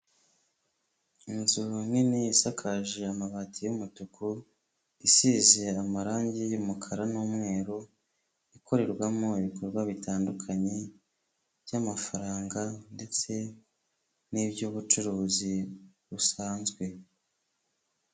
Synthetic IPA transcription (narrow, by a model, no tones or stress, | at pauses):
inzuminiisakʰaʒe̞amaβatʰijumutukʰu | isiːze̞amaɾaːɲɟijumukʰaɾanuːmŋe̞ːɾo | ikʰo̞ɾe̞ɾɡwamo̞iβikoɾɡwaβitʰaːndukʰaɲe̞ | bjamafaɾaːŋɡande̞t͡se̞ | nibjuβut͡ʃuɾuːzi | βusaːnzɡwe̞